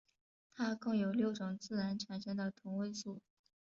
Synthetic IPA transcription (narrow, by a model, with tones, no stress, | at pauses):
t̪ʰa˥kɤ˥˩ŋjo˨˩ʊljo˥˩ʊʈ͡ʂʊ˨˩ŋt͡sɹ̩˥˩ɻa˧˥nʈ͡ʂʰa˨˩nʂɛ˥nd̪ə˨˩t̪ʰʊ˧˥ŋwe˥˧ɪsu˥˩